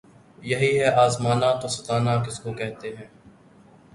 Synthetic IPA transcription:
jɐɦiɦɛʔaːzmaːnat̪osɐt̪aːnak̬ɪskokɛɦt̪eɦɛ̃ː

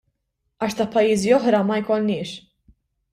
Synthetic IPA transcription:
ɐːʃt̪ɐʔpɐjːiːziɔħɾɐmɐjkɔlnɪːʃ

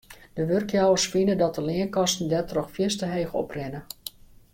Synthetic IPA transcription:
d̥əʋørkjawərsfinədɔtəlɪənkɑstn̩dɛtrɔxfjɪstəɦejɣɔ̰prɪnə

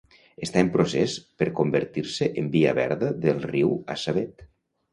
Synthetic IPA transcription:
əst̪aempɾosɛspəɾkombəɾt̪iɾsəʔembia̰βɛ̰ɾðəðəlˠriwa̰saβet̪

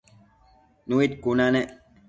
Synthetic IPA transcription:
nuit̪̚kunane

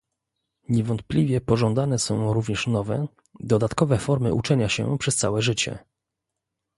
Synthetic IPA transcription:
ɲɛvɔnt̪̚plʲivʲjɛpɔʐɔ̃nd̪anɛsɔ̃w̃ɾuvɲɛʂnɔvɛ | d̪ɔd̪at̪kɔvɛfɔɾmɘ̰ʔut͡ʂɛɲaɕɛ̰pʂɛst̪sawɛʐɘt͡ɕɛ̰

